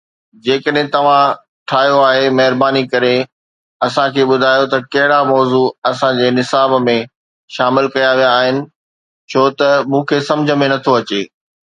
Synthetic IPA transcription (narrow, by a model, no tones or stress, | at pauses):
d͡ʑeːkəɗɦẽt̪ɐʋ̤ã | ʈʰaːɦijoaːɦemɐɦɪɾbaːnikɐɾe | ɐsãkʰeːɓʊd̪ʱaːjot̪ɐkɐɦɪɽamɔːzuɐsãd͡ʑeːnɪsaːbmẽ | ʃaːmɪlkɐjaʋijaːɦɪnɪ̆ | t͡ɕʰoːt̪ɐmũːkʰeːsɐ̃md͡ʑʱə̆mẽnɐt̪ʰoɐt͡ɕeː